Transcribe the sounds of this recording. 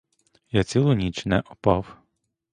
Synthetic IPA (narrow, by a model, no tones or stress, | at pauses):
jat͡sʲilˠʊnʲit͡ʃnɛʔɔpɑw